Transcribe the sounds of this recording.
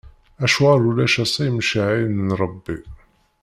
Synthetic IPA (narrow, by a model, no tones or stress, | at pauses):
æʃuʁaɾulæʃæsˤæjəmʃəʕinənɾˤəbːi